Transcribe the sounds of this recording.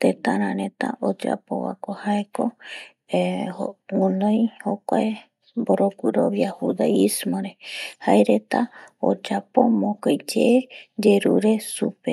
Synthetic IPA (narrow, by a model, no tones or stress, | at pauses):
t̪et̪ãɾãɾẽt̪a̰ʔod͡ʒa̰po̰wa̰kohaeko | ounõjhokʷae | boɾokʷɨɾoβjahud̪aismoɾehaeɾet̪ao̰d͡ʒapomõkojd͡ʒeed͡ʒeɾuɾe̞supe